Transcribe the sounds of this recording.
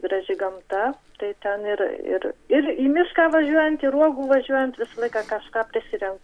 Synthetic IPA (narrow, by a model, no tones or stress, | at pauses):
ɡɾɐʒʲɪɡɐmt̪ɐ | t̪ɐɪt̪ʲɛnɪɾɪ̰ɾɪɾiːmʲɪʃkɑːʋɐʒʲuɔjɛnt̪iːɾuɔɡuːʋɐʒʲuɔjɛnt̪ʋʲɪsɐlˠɐɪkɑːkɑʃkɑːpʲɾʲɪsʲɪɾʲɛŋkt